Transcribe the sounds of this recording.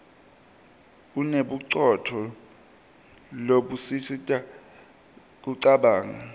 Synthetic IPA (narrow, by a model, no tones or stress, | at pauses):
uneɓuǀɔtʰɔ | loɓusisitʼa | k̬uǀaɓaːŋa